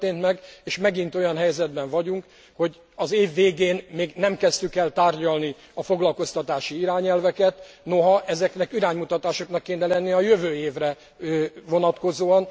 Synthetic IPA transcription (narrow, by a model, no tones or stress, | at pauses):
t̪eːnt̪mɛɡeːʃmɛɡint̪o̞jɒnɦɛjzɛd̪bɛɱvɒɟuŋk | ho̞ɟ | ɒzeːvːeːɡeːnmeːɡnɛmkɛst̪ykɛlt̪aːrɟɒlni | ɒfo̞ɡlɒlko̞st̪ɒt̪aːʃiiɾaːɲɛlvɛkɛt̪ | noɦɒʔɛzɛknɛkiɾaːɲmut̪ɒt̪aːʃo̞knɒkːeːnɛlɛnːiɒjøvøːeːvrɛ | vo̞nɒt̪ko̞zoːɒn